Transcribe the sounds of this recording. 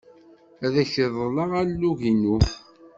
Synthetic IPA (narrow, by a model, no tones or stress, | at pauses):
æðæçəðˤəlɑʁælːuʝinuθ